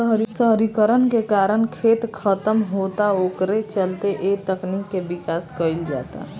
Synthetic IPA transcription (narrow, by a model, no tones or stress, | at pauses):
ɦɾsəɦɾikəɾənkekaːɾəñkʰeːt̪kʰət̪əmɦoːt̪aoːkɾet͡ʃəlt̪eʔeːt̪əknikːebɪkaːskəɪld͡ʒa̰ːt̪a̰ɦ